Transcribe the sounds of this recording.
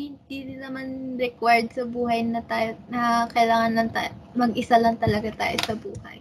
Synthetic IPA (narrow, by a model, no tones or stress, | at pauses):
hɪnd̪iɾɪnɐmanɾɛkwɛɹd̪̚sɐbuːɦɐjnɐt̪aːjnɐkɐjlaːŋɐnlɐŋt̪amɐɡʔɪsalɐŋt̪ɐlɐɡat̪a̰ːjosɐbuːhɐ̰j